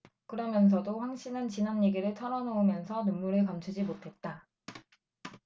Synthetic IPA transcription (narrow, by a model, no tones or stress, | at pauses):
kɯɾʌmjʌns̬ʰʌdoɸwaŋɕʰinɯnt͡ɕinanːeɡiɾɯɭtʰʌɾʌnoumjʌnsʰʌnunmuɾɯɭkamt͡ɕʰud͡ʑimotʰe̞t̚t͈a